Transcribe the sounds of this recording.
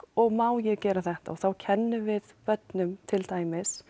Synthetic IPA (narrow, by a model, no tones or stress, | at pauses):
ɔɣmaːwjɛɣcɛːɾaθɛht̪a̰ɔɣθawcʰɛnːʏvɪðpœt̪nʏmt̪ʰɪlt̪aːjmɪs